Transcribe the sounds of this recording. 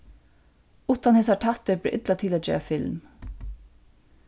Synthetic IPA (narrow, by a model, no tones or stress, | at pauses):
uːt̪anhɛːsaʈʰɑht̪əblɪ̰ʔɪt̪lat̪ʰɪlɛd͡ʒɛ̰ːɾafɪlm